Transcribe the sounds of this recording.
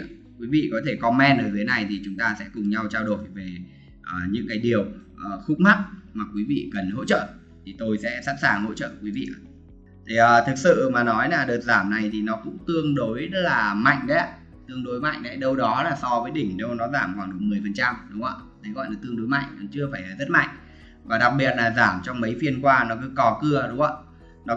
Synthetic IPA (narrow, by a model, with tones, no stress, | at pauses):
kwi˨˦vḭ˧˨kɔ˨˦t̪ʰe˧˩kɔ˧mɛ˧nʔəː˧˩t̪ʰe˨˦na˨˩jt̪ʰi˨˩t͡ɕʊ˨˦ŋ͡mt̪aː˧sɛ̰˧˥kʊ˨˩ŋ͡mɲa˧wt͡ɕaː˧wɗo˧˩jve˨˩ | ʔəː˨˩ɲɨ̰˧˥ŋkaː˨˦jɗi˨˩əwʔəː˨˩xʊ˦˥k͡p̚ma˦˥t̚maː˨˩kwi˨˦vḭ˧˨kə˨˩nho̰˧˥t͡ɕə̰ː˧˨ | t̪ʰi˨˩t̪o˧jsɛ̰˧˥sa̰ː˧˥nsaː˨˩ŋho̰˧˥t͡ɕə̰ː˧˨kwi˨˦vḭ˧˨ʔə˨˩ | t̪ʰi˨˩ʔəː˨˩t̪ʰɨ˨˩k̚sɨ̰˧˨maː˨˩nɔ˨˦jlaː˨˩ɗəː˨˩t̚zaː˧˩mna˨˩jt̪ʰi˨˩nɔ˨˦kʊ̰˧˥ŋ͡mt̪ɨ˧əŋɗo˨˦jzə˦˥t̚laː˨˩ma̰˧˨jŋ̟ɗə˨˦ | t̪ɨ˧əŋɗo˨˦jma̰˧˨jŋ̟ɗə˨˦jɗə˧wɗɔ˨˦laː˨˩sɔ˧vəː˨˦jɗï˧˩ŋ̟ɗə˧wnɔ˨˦zaː˧˩mxwaː˧˩ŋɗɨ˨˩ək̚mɨ˨˩əjfə˨˩nt͡ɕa˧mɗʊ˨˦ŋ͡mə̰˧˩t̪ʰə˨˦jɣɔ̰˧˨laː˨˩t̪ɨ˧əŋɗo˨˦jma̰˧˨jŋ̟nɔ˨˦t͡ɕɨ˧əfaː˧˩jaː˨˩zə˦˥t̚ma̰˧˨jŋ̟ | vaː˨˩ɗa˨˩k̚ɓi˨˩ət̚laː˨˩zaː˧˩mt͡ɕɔ˧wŋ͡mmə˨˦jfi˧ənkwaː˧nɔ˨˦kɨ˨˦kɔ˨˧˦kɨ˧əɗʊ˨˦ŋ͡mə˧˩ | nɔ˨˦